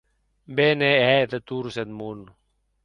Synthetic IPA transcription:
beːneɦet̪ɐt̪uːɾsed̪mun

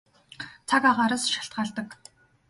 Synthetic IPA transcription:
t͡sʰakaʁaːɾə̆sʃḁɬt̪̚ɢaːɮt̪ə̆k

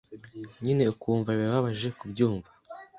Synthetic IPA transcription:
ɲine̞ukuːɱvaβaβaβaʒe̞kubɟuːɱva

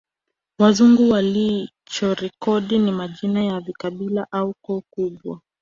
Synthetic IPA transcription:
wazuŋɡuwali | t͡ʃɔɾɛkɔɗinimaʄinajavikaɓilaʔaukɔukuɓwa

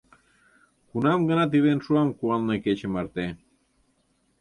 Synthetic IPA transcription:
kunɑmɡənɑt̪̬iβenʃuɑmkuɑlneket͡ɕəmɑɾt̪e

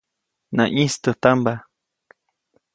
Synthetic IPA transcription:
nã̰ʔist̪ət̪amba

